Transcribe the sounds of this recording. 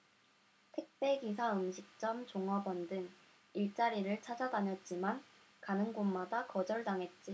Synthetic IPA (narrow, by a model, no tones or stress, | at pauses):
tʰɯk̚p͈e̞ɡis̬ʰaɯmɕʰik̚t͡ɕ͈ʌmt͡ɕoŋʌbʌndɯŋ | iɭt͡ɕ͈aɾiɾɯɭt͡ɕʰad͡ʑʌdaɲʌt̚t͡ɕ͈iman | kanɯŋɡommadakʌd͡ʑʌɭdaŋɦe̞t̚t͡ɕ͈i